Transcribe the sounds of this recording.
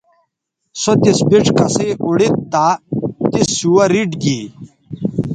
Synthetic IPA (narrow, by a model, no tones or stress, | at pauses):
sot̪isbiʈ͡ʂkɐseʔuɽit̪t̪at̪isːuwɐɾiɖɡiː